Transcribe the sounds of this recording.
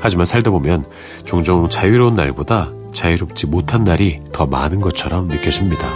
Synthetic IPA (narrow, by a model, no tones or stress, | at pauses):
had͡ʑimansʰaɭdabomjʌn | t͡ɕoŋd͡ʑoŋt͡ɕajuɾonːa̰ɭboda | t͡ɕajuɾop̚t͡ɕ͈imotʰanːaɾitʌma̰nɯnɡʌt͡ɕʰʌɾʌmnɯk͈jʌɕʰimɲida